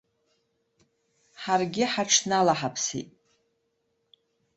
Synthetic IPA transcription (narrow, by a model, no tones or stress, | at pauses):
ħarɡʲɪħaʈ͡ʂʰnalaħapʰsḛtʼ